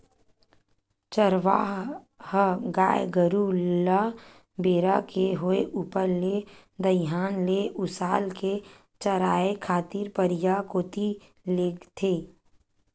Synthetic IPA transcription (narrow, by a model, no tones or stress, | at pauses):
t͡ʃəɾʋaːɦ | həɡaːjɡəɾulə | beːɾakeɦoeʔuːpəɾle | d̪əɦaːnleʔʊsaːlke | t͡ʃəɾaːekʰaːt̪iːɾpəɾɪjakoːt̪i | leːɡt̪ʰeː